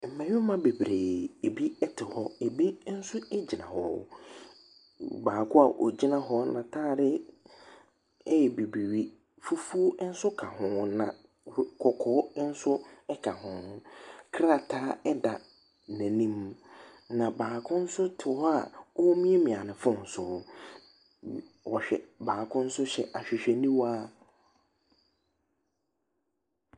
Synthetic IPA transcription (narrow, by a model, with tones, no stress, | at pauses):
m̩˨mɛ̃˨ɲᶣɪ̃˦mã˦be˨bɾeː˨e˨bi˦ɛ˦tʰɪ˨hɔ˦e˨bi˦n̩˦sʊ˦ɛ˦d͡ʑi˨nã˨hɔ˨ | baː˨kʰʊ˦a˨ʔɔ̰˨d͡ʑi˦nã˦ɦɔ˦nã˨tʰaː˦˨ɾɪ˦ | ɛ˦jɛ˨bi˨bi˨ɥi˨ | fu˦fu˦n̩˦sʊ˦kʰa˨hʊ̃˦nã̰˨˦ | kʰɔ˨kʰɔː˨˦n̩˦sʊ˦ɛ˦kʰa˨hʊ̃˨˦kʰɾa˦˨tʰaː˦ɛ˦da˨ | næ̃˨nĩ˦m | nã˨baː˨kʰʊ̃˦n̩˦sʊ˦tʰɪ˨ɔ˦a˨wɔ˦wɔ˦mĩ˦e˦mĩ˨a˨nɪ̃˨fʊ̃˦˨n̩˨sʊ˨ | wɔ˨ɕᶣɛ̰˨baː˨kʰʊ̃˦n̩˦sʊ˦ɕɛ̰˨ʔa˨ɕᶣɪ˨ɕᶣɛ˨nĩ˦waː˦